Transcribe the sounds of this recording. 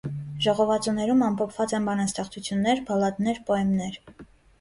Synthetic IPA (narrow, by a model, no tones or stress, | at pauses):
ʒɔʁɔvɑt͡sunɛɾumɑmpʰɔpʰvɑt͡sɛnbɑnɑnst̪ɛχt͡sʰut͡sʰjunːɛɾpʰɑlɑt̪nɛɾpɔɛmnɛɾ